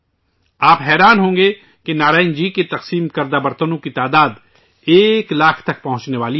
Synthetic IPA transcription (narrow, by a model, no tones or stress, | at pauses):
aːpɦɛːɾaːnɦõːŋ̆ɡe | kenaːɾaːɪ̃nd͡ʒiːket̪ɐqsiːmkɐɾd̪aːbɐɾt̪ənõkit̪aːd̪aːd̪ | eːklaːkʰt̪ɐk̚pɐɦʊ̃t͡ʃneʋaːli